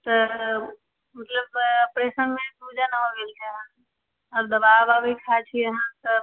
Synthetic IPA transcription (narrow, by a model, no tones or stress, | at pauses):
t̪ɔ | mət̪ləb̚pɾesənmẽpuːd͡ʒanaɦoɡelt̪ʰeɦã | ɔːɾd̪əbaːʋabʱikʰat͡ʃʰijəɦãt̪ə